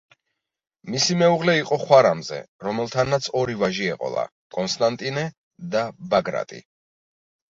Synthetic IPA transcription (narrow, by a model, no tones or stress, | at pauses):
misimɛuʁlɛiqʼɔχwaɾamzɛ̰ɾɔmɛlˠt̪ʰanːat̪sʰɔɾivaʒiɛqʼɔ̰lˠa̰ | kʼɔnst̪ʼant̪ʼinɛ | d̪abaɡɾa̰t̪ʼḭ